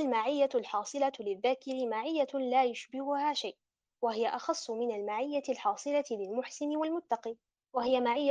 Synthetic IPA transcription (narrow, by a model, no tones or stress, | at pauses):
lmaʕɪjːalħɑːsˤɨlalɪðːaːkɪɾɪmaʕɪjːalaːjʊʃbɪhʊhaːʃajʔ | wahɪjaʔɑxɑsˤːʊmɪnalmaʕɪjːaɪlħɑːsˤɨlalɪlmʊħsɪnɪwalmʊt̪ːɑqiː | wahɪjamaʕɪjːa